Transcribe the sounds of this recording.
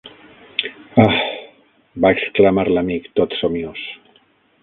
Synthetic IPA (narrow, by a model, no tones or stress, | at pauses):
a | baeksklamaɾlamikt̪ot̪somjos